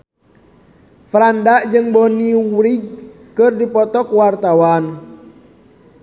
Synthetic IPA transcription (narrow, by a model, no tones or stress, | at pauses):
fɾandaʔd͡ʒɨŋbɔniɾiɡ̚ | kɨrdipɔt̪ɔkwart̪awan